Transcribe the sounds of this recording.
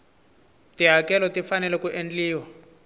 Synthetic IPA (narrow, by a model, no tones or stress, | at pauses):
tiɦakɛlɔtifanɛlɛkuʔend͡ɮiːwa